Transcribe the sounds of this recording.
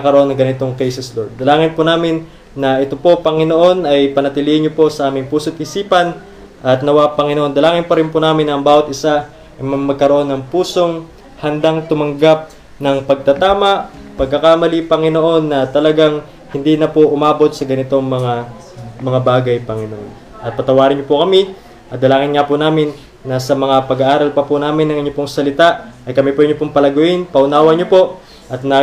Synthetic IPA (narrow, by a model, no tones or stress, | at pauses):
ɐkɐɾoʔo̞nːɐŋɡɐnɪt̪o̞ŋkɛjsɛslod̪̚d̪ɐlaːŋɪnponaːmɪnː | ɐʔɛt̪o̞po̞pɐŋɪno̞ʔo̞nɐjpɐnɐt̪ɪliːhɪnɲopo̞sɐʔaːmɪŋpuːsot̪ʔisiːpɐn | ʔɐt̪̚nɐwapɐŋɪnoʔond̪ɐlaːŋɪnpɐɾɪnponaːmɪnɐŋbaːwɐt̪ʔɪsa | ʔɐjmɐmɐɡ̚kɐɾoʔo̞nːɐŋpuːso̞ŋ | hɐnd̪aŋt̪ʊmɐŋɡap̚ | nɐŋpɐɡ̚t̪ɐt̪aːmɐʔ | pɐɡ̚kɐkamɐlipɐŋɪnoʔo̞nːɐt̪ɐlɐɡaŋ | hɪnd̪iːnɐpoʔʊmaːbo̞t̪̚sɐɡɐnɪt̪o̞ŋmɐŋa | mɐŋabaːɡɐjpɐŋɪnoʔon | ʔɐt̪̚pɐt̪ɐwaːɾɪnɲopokɐmi | ʔɐt̪̚d̪ɐlaːŋɪnŋapʊnaːmɪnː | ɐsɐmɐŋapɐɡɐʔaːɾɐlpɐpunaːmɪnɐŋɪɲopoŋsɐlɪt̪aʔʔɐjkɐmipoɪɲopoŋpɐlɐɡʊʔɪnpɐʔʊnaːwɐɲopo̞ʔ | ʔɐt̪̚nɐ